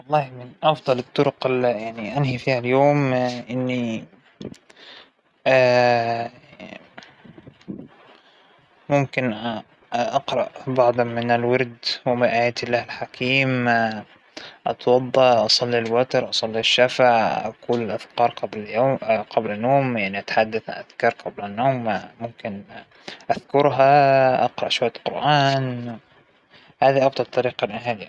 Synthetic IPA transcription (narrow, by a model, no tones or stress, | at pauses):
wɑlˤːɑːhmɪnʔɑfd̪ˤɑlɪt̪ˤːʊɾʊqɪlːijaʕniʔanhifiːhaljoːmʔɪnːi | mʊmkɪn | ʔɑqɾˤɑʔbɑʕd̪ˤɑmɪnɪlwɑɾd̪wɪmɪnʔaːjaːt̪ɪlːaːhɪlħakʰiːm | ʔɑ̰t̪wɑd̪ˤːɑʔɑsˤɑlːilwɑt̪ɑɾˤʔɑsˤɑlːiaʃːafaʕʔa̰kuːlalʔaθkɑːɾˤqɑbljqablanːoːmjaʕniʔat̪ḁħad̪ːaθʔaðkɑːɾˤqɑblanːoːmmʊmkɪn | ʔaðkʊɾɦaʔɑ̰qɾˤɑʔʃwajːalqʊɾʔaːn | haːðiʔɑbt̪ˤɑt̪t̪ˤːɑɾiːqɑnʔaɦaːlɪja